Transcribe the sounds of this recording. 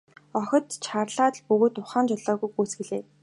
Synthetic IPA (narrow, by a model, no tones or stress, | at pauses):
ɔxʲɞ̆t̪t͡ɕʰarɮaːt̪̆ɮpɵɣoːt̪ʊχaːnt͡ɕɔɮɔːɣujɡuːsɡɘ̆ɮeː